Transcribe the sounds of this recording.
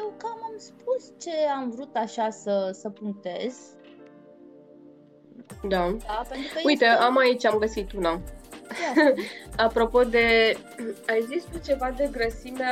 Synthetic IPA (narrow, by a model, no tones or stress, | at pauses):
jewkamamspust͡ʃe̞amvɾut̪aʃasəsəpuŋk̚t̪e̞z̥ | d̪ad̪apent̪ɾukəujt̪eamait͡ʃʲamɡəsit̪una | apɾo̞po̞d̪e̞ | aezist̪ut͡ʃe̞vad̪e̞ɡɾəsime